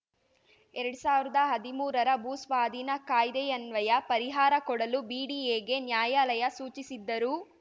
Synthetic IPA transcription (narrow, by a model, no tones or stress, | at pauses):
ɛɾɐɽusaːʋiɾid̪ɐɦɐd̪imuːɾɐɾɐbuːsʋaːd̪ʱinɐkaːjd̪ejɐnʋɐjɐpɐɾiɦaːɾɐkɔɽɐlubiːɽiːeːɡe̞njaːjaːlɐjɐsuːt͡ʃisid̪ːɐɾu